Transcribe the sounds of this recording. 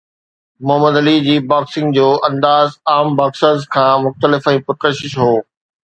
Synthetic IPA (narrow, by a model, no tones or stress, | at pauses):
mʊɦəməd̪ɐlid͡ʑiːbaːksɪ̃ŋɡd͡ʑoːʔɐ̃nd̪aːzaːmbaːksəzkʰãːmʊxt̪əlɪfãĩpʊɾt̪əʃɪʃɦoː